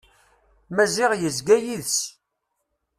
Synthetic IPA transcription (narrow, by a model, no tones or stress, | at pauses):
mæzɪʁjəzɡæjiðs